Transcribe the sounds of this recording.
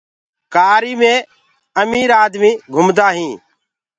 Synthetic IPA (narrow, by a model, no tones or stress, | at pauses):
kaːɾiːmẽː | əmiːɾaːd̪mĩːɡʱʊmd̪aːɦĩː